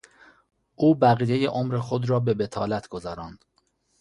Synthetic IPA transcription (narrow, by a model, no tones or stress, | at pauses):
ʔuːbæɣiːjejeʔomɾexod̪ɾɒːbe̞be̞t̪ʰɒːlæt̪ʰɡ̥ozɒːɾɒːnd̪̥